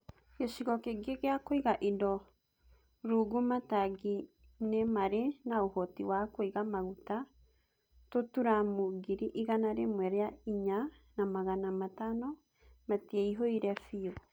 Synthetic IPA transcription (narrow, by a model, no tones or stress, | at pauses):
ɡeʃiɣɔkeɡeɣeakoiɣaʔidɔ | ɾuɡumataɡi | nemaɾenaohɔtiwakoiɣamaɣuta | totuɾamoɡiɾiʔiɣanaɾemwɛɾeaiɲanamaɣanamatanɔ | matiɛiɦoiɾɛfio